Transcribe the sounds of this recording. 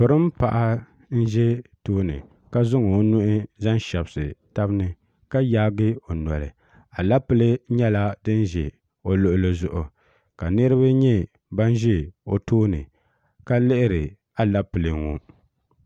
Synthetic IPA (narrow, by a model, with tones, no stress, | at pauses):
pɨ˨ɾɨ˦m˦pa˨ʔa˦ | n̩˦ʒɛ˦toː˦nɨ̰˨ | ka˦zʊ˦ŋɨ˨˦nʊ˦ʔɪ˦za˦n˦ʃɛ˨bsɨ̰˨ta˦bnɨ˦ | ka˦jaː˦ɡɨ˦o˨nɔ̰˨lɨ̰˨ | a˨la˦pɨ˦lɨ˦ɲɛ˦la˦dɨ˦n˦ʒɛ̰˨ | o˨lʊ˦ʔʊ˦lɨ˦zʊ˨ʔʊ˨ | ka˨nɨ˦ɾɨ˦βa˦ɲɛ˦ | ba˦n˦ʒɛ˦o˨toː˦nɨ˨ | ka˦lɪ˦ʔɪ˦ɾɨ˨ | a˨la˦pɨ˨lɨ˨ŋo˨